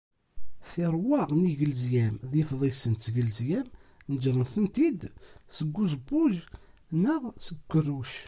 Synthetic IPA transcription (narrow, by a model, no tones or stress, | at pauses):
θiɾˤwɑʁniʝəlzjæmðifðˤisənt̪ʝəlzjæmnəd͡ʒɾˤənθənt̪id̪səɡʷːuzəbːuʒ | nəʁsəɡʷːərːuʃ